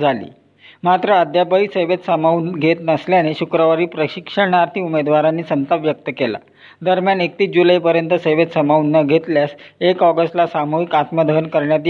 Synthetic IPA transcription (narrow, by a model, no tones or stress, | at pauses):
d͡zʱalḭː | mat̪ɾəəd̪jabəiːseʋet̪səmaunɡʱet̪nəsljaneɕukɾəʋaɾiːpɾəɕikʂəɽ̃aɾt̪ʰiːumed̪ʋaɾanːiːsənt̪apʋjək̚t̪əkela̰ | d̪əɾmjanek̚t̪iːsd͡ʑulaipəɾjənt̪əseʋet̪səmaunːəɡʱet̪ljasekɔɡəsʈlasamuɦikat̪məd̪ʱənkəɾɳjat̪̬i